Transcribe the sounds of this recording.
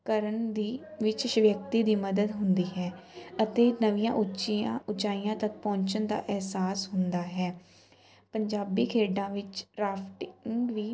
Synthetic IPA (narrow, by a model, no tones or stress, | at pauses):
kəɾəɳd̪iːʋɪt͡ʃʃʋjək̚t̪iːd̪iːməd̪əd̪ɦʊnd̪iːɦɛːət̪eːnəʋijã̰ːʔʊt͡ʃiãʊt͡ʃaːijãːt̪ək̚pɔ̃ːɲt͡ʃənd̪a̰ːʔɛɦsaːsɦʊnd̪aːɦɛː | pəɲd͡ʒaːbiːkʰeːɖãːʋɪt͡ʃɾaːpʰʈɪŋɡʋiː